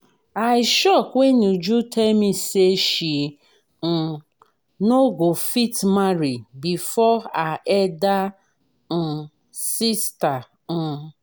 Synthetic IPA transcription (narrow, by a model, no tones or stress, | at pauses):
ajɪʃɔkwenud͡ʒutʰɛmiseʃi | n̩ | noɡofitmaɾibifɔaʔɛda | n̩ | sista | n̩